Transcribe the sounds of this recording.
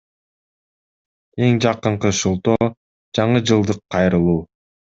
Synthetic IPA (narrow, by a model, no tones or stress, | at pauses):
e̞ŋd͡ʒɑqɯɴqɯʃulˠt̪oː | d͡ʒɑɴɯd͡ʒɯlˠd̪ɯqʰːɑjɾɯlˠuː